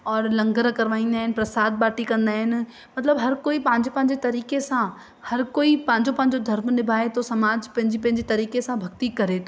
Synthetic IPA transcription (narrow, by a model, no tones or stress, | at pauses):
ɔːɾlɐ̃ŋɡəɾkɐɾʋaːĩːnd̪aːɦɪnɪ̆pɾɐsaːd̪̚baːʈikɐ̃nd̪aːɦɪnɪ̆ | mɐt̪ləbɦɐɾkoːipɐ̃ɦɪ̃ɲd͡ʑepɐ̃ɦɪ̃ɲ̆d͡ʑet̪ɐɾiːkesã | hɐɾkoːipɐ̃ɦɪ̃ɲd͡ʑopɐ̃ɦɪ̃ɲd͡ʑod̪ʱɐɾmnɪbʱaːet̪ʰosɐmaːd͡ʑpɐ̃ɦɪ̃d͡ʑipɐ̃ɦɪ̃ɲd͡ʑet̪ɐɾiːkesãbʱɐɡ̚t̪ikɐɾet̪ʰoː